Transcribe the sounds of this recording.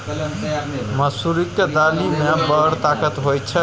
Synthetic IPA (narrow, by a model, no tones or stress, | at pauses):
məsuɾikːed̪alimebəɽt̪akət̪ɦojt͡ʃʰə